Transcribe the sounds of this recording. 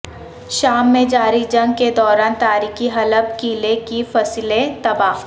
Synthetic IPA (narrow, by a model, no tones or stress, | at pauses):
ʃaːmːẽd͡ʒaːɾid͡ʒɐ̃ŋɡ̚ked̪ɔːɾaːnt̪aːɾiːkiɦɐləbkiːlekifɐslet̪ɐbaːf